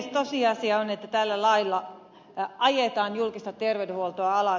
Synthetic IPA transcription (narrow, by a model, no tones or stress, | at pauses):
st̪osiɑsiɑonet̪ːæt̪ælːælɑilːɑ | ʔɑjet̪ɑːnjulkist̪ɑt̪erʋedehuolt̪oɑɑlɑ